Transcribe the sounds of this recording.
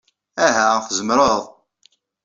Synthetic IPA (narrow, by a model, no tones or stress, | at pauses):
æɦæχzəmɾˤəðˤ